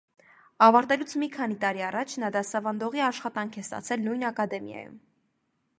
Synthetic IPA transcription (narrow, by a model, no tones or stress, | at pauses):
ɑvɑɾt̪ɛlut͡sʰmikʰɑnit̪ɑɾiɑrɑt͡ʃʰnɑd̪ɑsɑvɑnd̪ɔʁiɑʃχɑt̪ɑŋkʰɛst̪ɑ̰t͡sʰɛlnujnɑkɑd̪ɛmjɑ̰jṵm